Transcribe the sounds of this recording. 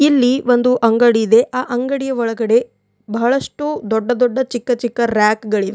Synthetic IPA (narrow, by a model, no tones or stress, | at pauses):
ilːiʋond̪uʔɐŋɡɐɽijid̪e̞ʔaːʔɐŋɡɐɽijɐʋɔɭɐɡɐɽe̞ | bɐɦɐɭɐʂʈud̪ɔɖːɐd̪ɔɖːɐt͡ʃikːɐt͡ʃikːɐɾjaːkɡɐɭiʋe